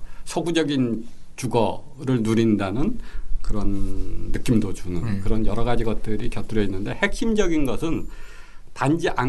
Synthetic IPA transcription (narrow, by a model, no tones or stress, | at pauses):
sʰʌɡud͡ʑʌɡint͡ɕuɡʌ | ɾɯɭnuɾindanɯnkɯɾʌnːɯk͈imdot͡ɕunɯnkɯɾʌnjʌɾʌɡad͡ʑiɡʌt̚t͈ɯɾikjʌt͈ɯɾʌinːɯnde̞he̞k̚ɕimd͡ʑʌɡinɡʌsʰɯn | tand͡ʑiʔa